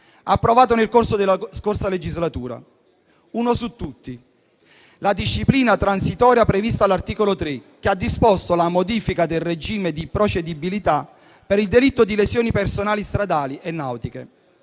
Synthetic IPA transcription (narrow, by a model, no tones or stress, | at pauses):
apːɾovaːt̪onelkorsod̪elːaskorsaled͡ʒizlat̪uːɾa̰ | uːnosut̪ːut̪ːi | lad̪iʃːipliːnat̪ɾansit̪ɔːɾjapɾevist̪alːart̪iːkolot̪ɾek̟ːead̪ːispost̪olamod̪iːfikad̪elred͡ʒiːmed̪ipɾot͡ʃed̪ibilit̪a | peɾild̪elit̪ːod̪ilesjoːnipersonaːlist̪ɾad̪aːliʔenːawt̪ikḛ